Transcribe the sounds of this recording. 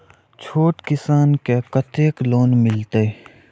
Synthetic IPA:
t͡ʃʰoːʈkɪsaːnkekɐt̪eːkloːnmɪlt̪e

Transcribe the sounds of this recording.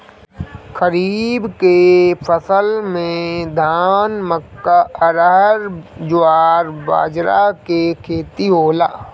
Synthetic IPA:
kəɾiːbkepʰəsəlmẽd̪ʱaːnməkːaəɾəɦɾd͡ʒʊaːɾba̰ːd͡ʒɾakekʰeːt̪iɦoːla̰ː

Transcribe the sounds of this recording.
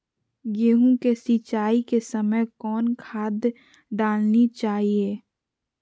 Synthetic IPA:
jeːɦũkesit͡ʃaːikesəməjkɔːnkʰaːd̪ | ɖaːlnit͡ʃaːɦieː

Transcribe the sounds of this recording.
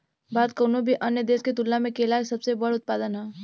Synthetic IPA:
baːd̪̚koːnobʱiʔɐnjəd̪eːsket̪ʊlːamẽkelaːsɐbsebɐɽʊt̪̚paːd̪ənɦɛː

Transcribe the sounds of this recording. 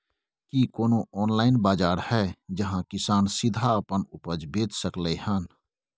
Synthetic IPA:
kikoːnoʔɔːnlaːɪnbaːd͡ʒaːɾhɛːd͡ʒɐɦãkɪsaːnsɪd̪ʱaəpənʊpəd͡ʒbeːt͡ʃsəklehən

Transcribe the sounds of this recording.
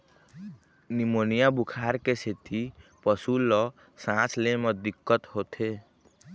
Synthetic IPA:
nimonijabukʰaɾkeset̪ipəsulːɔ | sãt͡ʃleməd̪ikːət̪ɦot̪ʰe

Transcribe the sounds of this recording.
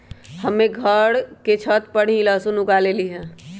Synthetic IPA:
hɐmẽɡʱəɽket͡ʃʰət̪̚pəɽ̤ĩlaːsunʊkaːleliɦɛ̃ː

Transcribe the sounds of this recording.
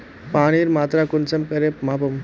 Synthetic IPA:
paːɽ̃iːɾmaːt̪ɾakʊnsɐmkɐɾemaːp̬ɐm

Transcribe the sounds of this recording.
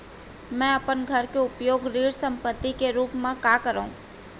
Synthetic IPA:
mɛ̃ːɐpənɡʱəɾkeʊpjoːɡɾiːɽsə̃mpət̪ːikeɾuːpmẽkakəɾaṵ̃

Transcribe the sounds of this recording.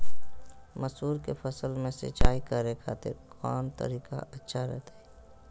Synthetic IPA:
məsuːɾkefəsəlmẽsɪ̰t͡ʃaːikəɾekʰa̰ːt̪eɾkʰɔːnt̪ə̰ɾiːka̰ʔɐtːʃʰaɾɛ̰ɦt̪aɛ

